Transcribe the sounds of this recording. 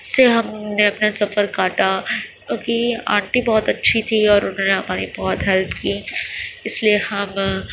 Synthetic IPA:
seɦɐmneɐpnasɐfəɾkaːʈa | kiã̰ːɳʈibɔːt̪ɐtːʃʰit̪ʰiɔːɾʊnɦõːneɦɐmaːɾibɔːt̪ɦɛlt̪kiːɪsliehɐm

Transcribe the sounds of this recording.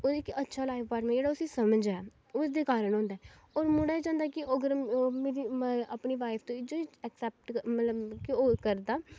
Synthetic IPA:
oɪkətːʃʰaːlaːɪfbaɾmɛ̃ːd͡ʒeːɽaːʊsiːsəməd͡ʒɛː | ʊsd̪eːkaːɾəɳ̃ɦõːnd̪aɛ | ɔːɾmʊɽaːid͡ʒãːnd̪akɪʔəɡəɾmeːɾiapniːʋaːɪpʰt̪õːɪd͡ʒoːiɛksɛːp̚ʈmət̪ləbkɪoːkəɾd̪aː

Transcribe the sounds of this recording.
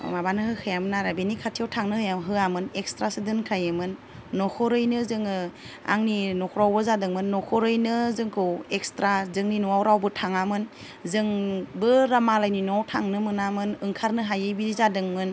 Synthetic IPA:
mabanɯhɯkʰɯjamɯnaɾabenikʰatʰijawtʰaŋnɯhɯjamɦɯamɯnek̚stɾasɯdɯnkʰajɯmɯnː | ɔkʰɔɾɯjnɯzɯŋɯ | a̰ŋninɔkʰɔɾawbɯzadɯŋmɯnːɔkʰɔɾɯjnɯzɯŋkʰɯwek̚stɾazɯŋninuwawɾawbɯtʰaŋamɯn | zɯŋbɯɾamalajninuawtʰaŋnɯmɯnamɯnɯŋkʰaɾnɯɦajɯjbiɾizadɯŋmɯn

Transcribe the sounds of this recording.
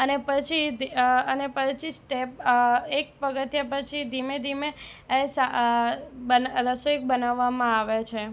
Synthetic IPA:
ənepət͡ʃʰid̪iənepət͡ʃʰisʈep̚ek̚pəɡət̪jap̬ət͡ʃʰid̪ʱimed̪ʱime | sa | bənɾəsoik̚bənaʋːamãaʋet͡ʃʰe

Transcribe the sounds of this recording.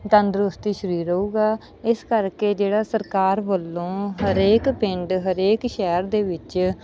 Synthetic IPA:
d̪ə̃nd̪ɾʊst̪iːʃəɾiːɾəuːɡaː | ɪskəɾkeːd͡ʒeːɽaːsəɾkaːɾbəlːõːɦəɾeːkpɪ̃ɳɖɦəɾeːkʃɛːɾd̪eːʋɪt͡ʃ

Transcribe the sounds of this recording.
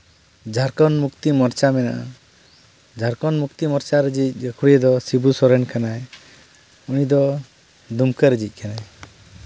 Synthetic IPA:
d͡ʒʱaɾkɔnmukt̪imɔɾt͡ʃamɛna̰ʔa̰ | d͡ʒʱaɾkɔnmukt̪imɔɾt͡ʃaɾəd͡ʒic̚ɡəkʰuɽijɛd̪ɔsibusɔɾɛnkanaj | unid̪ɔ | d̪umkəɾəd͡ʒic̚ˀkanaj

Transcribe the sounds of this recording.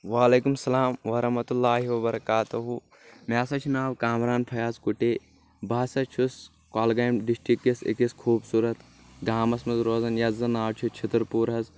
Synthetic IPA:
ʋaːleːkumsɐlaːmʋɐɾɐɦmɐt̪ulːaːɦiʋɐbɐɾɐkaːt̪uɦu | maːsɐt͡ʃʰinaːʋkaːmɾaːnpʰɐjaːzkuʈeː | baːsɐt͡ʃʰus | kaːlɡaːjmɖisʈɾikjɐsḭkɐskʰuːbsuːɾɐt̪ | ɡaːmɐsmɐzɾoːzɐnjɐzɐnaːʋt͡ʃʰut͡ʃʰɐt̪ɾpuːɾɦɐz

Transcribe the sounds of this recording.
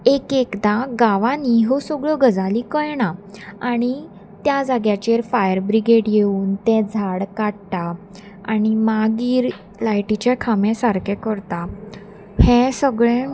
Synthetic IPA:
ekekd̪aɡaʋãniɦosəɡɭəɡəd͡zalikəjɳaaɽ̃i | t̪jad͡zaɡjat͡ɕeɾfajəɾbɾiɡeɽjeuːnt̪ɛ̃d͡zʱaɽkaɽʈa | a̰ñimaɡiːɾ | lajʈit͡ɕɛkʰamɛ̃saɾkɛkəɾt̪a | hɛ̃səɡɭɛ̃

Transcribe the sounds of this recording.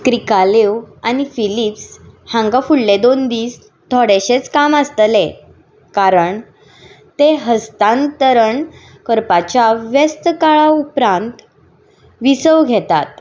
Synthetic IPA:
kɾikalewanifilipshãŋɡafuɽled̪ond̪iːs | t̪ʰɔɽeɕet͡skaməst̪əle | kaɾəɳ | t̪eɦəst̪ãnt̪əɾəɳ | kəɾpat͡ɕaʋjest̪kaɭaupɾãnt̪ | ʋisəʋɡʱet̪a̰t̪

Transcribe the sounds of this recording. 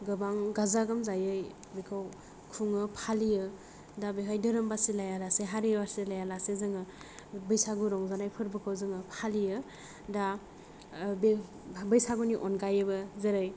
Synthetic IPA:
ɡɯbaŋɡazaɡɯmzajɯj | bikʰaw | kʰuŋɯpʰalijɯ | dabeɦʰajdɯɾɯmbasilajalaseɦaɾiwaɾselajalasezɯŋɯ | bɯjsaɡuɾɔŋzanajpʰɯɾbɯkʰawzɯŋɯpʰalijɯ | da | be | bɯjsaɡuniʔɔnɡajɯbɯzeɾɯj

